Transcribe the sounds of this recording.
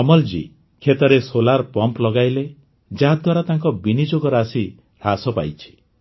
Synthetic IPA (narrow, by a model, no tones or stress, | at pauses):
ɔmɔld͡ʒḭ | kʰet̪ɔɾesolaɾpɔmplɔɡajle | d͡ʒaɦad̪waɾat̪aŋkɔbinid͡ʒoɡɔɾasi | ɾasɔpa̰jt͡ʃʰi̥